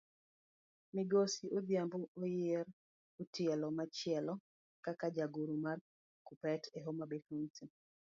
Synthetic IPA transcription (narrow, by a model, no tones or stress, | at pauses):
miɡosiʔod̪jamboojɪɾ | utɪɛlɔmat͡ʃɪɛlɔ | kakad͡ʒaɡuɾumar | kupɛtʰeɦomabetunsi